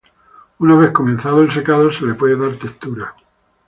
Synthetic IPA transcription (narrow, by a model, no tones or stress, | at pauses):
unaβ̞e̞hko̞menθaðoelse̞kaðose̞lepwe̞ðeðaɾt̪ekt̪uɾa